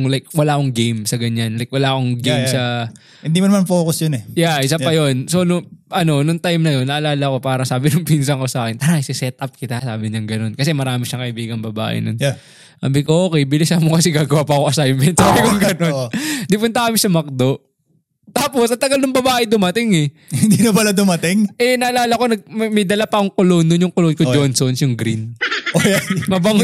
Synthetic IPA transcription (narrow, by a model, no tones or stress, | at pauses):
ŋlajk̚wɐlaːʔkoŋɡejmsɐɡɐɲanlajk̚wɐlaːʔko̞ŋɡejmsɐ | hɪnd̪imɐnɐmanfoːkʊsjonɛjaʔɪsapɐjo̞nso̞nʊŋʔɐno̞nʊŋt̪ajmnɐjo̞nːɐʔɐlaːlɐko̞paːɾɐŋsaːbɪnʊŋpiːns̬ɐŋko̞saːkɛnt̪ɐnaɪsɪsɛt̪̚ʔɐp̚kɪt̪asaːbɪɲɐŋɡɐno̞nkɐs̬ɛmɐɾaːmɪʃɐŋkɐʔɪbiːɡɐŋbɐba̰ːʔɪ̰non | a̰ːbɪkoʔoːkɛjbɪlɪsɐmokɐsɪɡaːɡɐwaːpɐʔɐkoʔɐsajmɛnt̪saːbɪkʊŋɡɐnond̪ɪpʊnt̪ɐkɐmɪsɐmɐk̚d̪o̞ | t̪aːposʔɐt̪ɐɡɐlnʊŋbɐbaːʔɛd̪ʊmɐt̪ɪŋɛhnd̪inɐpɐlad̪ʊmɐt̪ɪŋʔɛnɐʔɐlaːlɐko̞nɐɡ̚mɐjd̪ɐlapɐkoŋkoloːndonjʊŋkolonkod͡ʒd͡ʒonsonsjʊŋɡɾinomɐbɐŋ